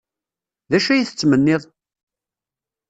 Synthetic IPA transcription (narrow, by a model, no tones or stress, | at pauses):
ðæʃæjiθə̥t͡sːmənːɪðˤ